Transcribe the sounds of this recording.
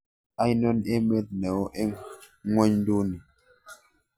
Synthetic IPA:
a˦i˦nɔ˦ne˦mɛ˦t̚nɛ˨ɔ˦ʔe˦ | ŋɔ˦ɲn˦do˦ni˨

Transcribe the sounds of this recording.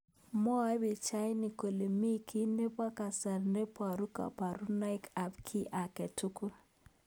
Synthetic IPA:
mɔ˦a˦be˨t͡ʃa˦jni˨ko˨le˨mi˦kʰi˦ne˦pwa˦ka˨sa˨ɾne˦pwa˨ɾu˦ka̰˨pa˨ɾu˦na˦ɪ˦ka˨pkʰi˦ʔa˨kɛ˨tu˦ku˦

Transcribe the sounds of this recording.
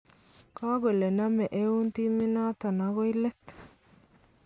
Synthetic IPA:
ka˦ɡe˨le˨na˦mɛ˨ʔe˦u˦nt̪i˦mi˦na˦t̪a˨na˦ɣo˦i˦lɛ˦t̪

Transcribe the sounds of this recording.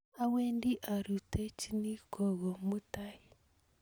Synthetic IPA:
a˦we˦ndi˦ʔa˨ɾu˨tɛ˦t͡ʃi˦ni˦kʰɔ˨ɣɔ˨mu˦ta˦i˨

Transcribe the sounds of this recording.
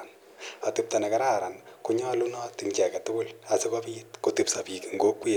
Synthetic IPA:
n | atɪp̚ta˨nɛ˨ka˦ɾa˦ɾa˨nku˦ɲɔ˦lu˦nɔ˦ti˨ɲt͡ʃɛ˨ka˨tʊ˦kʊ˦lasɪ˦kɔpi˦itkoti˦psapi˨kiŋɡo˦kwi˦

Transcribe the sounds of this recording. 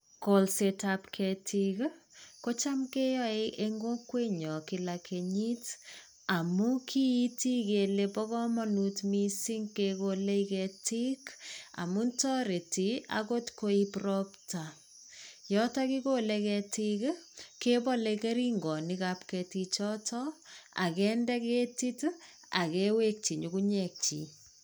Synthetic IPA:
ko˨lse˨tapkʰɛtʰik | ko˦t͡ʃa˦mke˦jɔ˦e˦ʔe˦ŋɡo˦kwe˦ɲɔ˨kɪ˨la˨kʰe˨ɲi˦t | a˨mu˦kʰi˦i˦ti˦ke˨le˦pɔ˦kɔ˦mɔ˦nu˨tmi˦si˦ŋkekole˦ikɛ˧ti˦ka̰˨mu˦ntɔ˦ɾe˨tia̰ko˦tkoi˦prɔpta˨ | jɔtɔki˦kolekɛtikkepɔleke˦ɾiŋɡɔ˨nikapkɛ˨tit͡ʃɔtʰɔa̰˨kɛndɛ˦ke˦ti˦t | a˨kewe˦k̚t͡ʃi˨ɲukuɲɛk̚t͡ʃḭ˨

